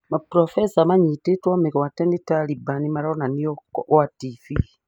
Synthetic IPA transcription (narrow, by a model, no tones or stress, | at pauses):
mapɾɔfɛsamaɲitetwɔmiɣɔwatɛnitalibanimaɾaɔnaniɔatifi